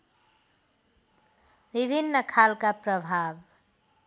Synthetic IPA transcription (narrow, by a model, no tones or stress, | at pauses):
bibʱinːəkʰalkapɾəbʱab